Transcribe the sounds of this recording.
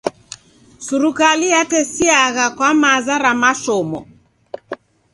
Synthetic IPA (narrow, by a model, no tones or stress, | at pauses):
suɾukalijatɛsiaɣakwamazaɾamaʃɔmɔ̰